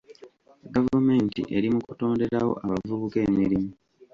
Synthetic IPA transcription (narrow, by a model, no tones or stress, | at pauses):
ɡavume̞ːntḭʔe̞ɾimukuto̞ːnde̞ɾawo̞̰ʔaβavuβuke̞ːmiɾimu